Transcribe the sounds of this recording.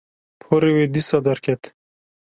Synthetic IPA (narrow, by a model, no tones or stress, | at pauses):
pʰoɾewed̪isad̪aɾkʰet̪